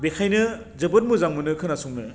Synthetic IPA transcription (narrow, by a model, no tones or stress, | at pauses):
bekʰajnɯ | zɯbɯt̚muzaŋmɯnɯkʰɯnasuŋnɯ